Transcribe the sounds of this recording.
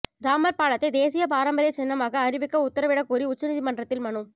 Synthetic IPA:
ɾaːmɐɾpaːɭɐt̪ːɐɪd̪eːsɪjɐpaːɾɐmbɐɾɪjɐt͡ʃɛnːɐmaːɣɐːɾɪʋɪkːɐʊt̪ːɐɾɐʋɪɽɐkːuːɾiʊt͡ʃːɐnɪðimɐɳɖrɐt̪ːɪlmɐɳɯ

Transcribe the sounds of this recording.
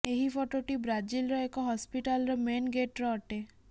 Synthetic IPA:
eɦifʰɔʈoʈibɾad͡ʒilɾɔekɔɦɔspiʈalɾɔmenɡeʈɾɔɔʈe

